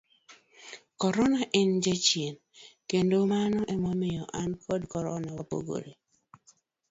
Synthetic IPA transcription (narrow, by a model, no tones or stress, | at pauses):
kɔɾɔnaʔɪnd͡ʒet͡ʃjen | kendomanɔʔemomɪjɔʔankʰɔdkɔɾɔnawapo̰ɡo̰ɾe